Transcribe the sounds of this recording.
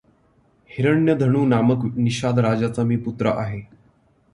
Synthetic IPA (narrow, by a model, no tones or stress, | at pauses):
hiɾəɳjəd̪ʱəɳ̃uːnaməkniɕad̪ɾad͡zat͡samiːput̪ɾə̰ʔaɦe